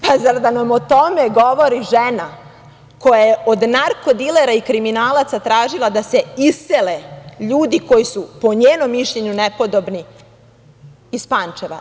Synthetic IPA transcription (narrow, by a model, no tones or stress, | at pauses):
pazaɾd̪anamot̪o̞meɡo̞ʋo̞ɾiʒena | ko̞jajeod̪naɾko̞d̪ileɾaikɾiminaːlat̪sat̪ɾaːʒilˠad̪ase̞iseleʎuːd̪iko̞jisupo̞ɲeːno̞mːiʃʎe̞ɲunepo̞d̪o̞bni | ispaːnt͡ʃeʋa̰